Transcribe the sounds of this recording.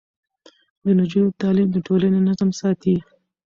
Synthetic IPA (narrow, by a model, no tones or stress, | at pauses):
d̪ənʊd͡ʒut̪ɑlimd̪əʈolanenazamsɑt̪i